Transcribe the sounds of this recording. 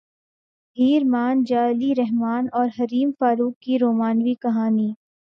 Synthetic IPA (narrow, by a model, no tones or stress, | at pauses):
bʱiːɾmaːnd͡ʒaːliɾɛɦmaːnɔːɾɦɐɾiːmfaːɾuːkːiɾoːmaːnʋikɐɦaːniː